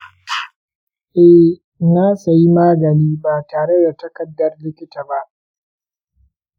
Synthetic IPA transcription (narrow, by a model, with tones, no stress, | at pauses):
ʔɛ˦h | naː˦sa˨ji˦maː˦ɡɐ˨niː˦baː˨taː˨ɽe˦da˨tɐ˦kɐ˨dːɐ˦rlɪ˦kʲɪ˦taː˨ba˦ʔ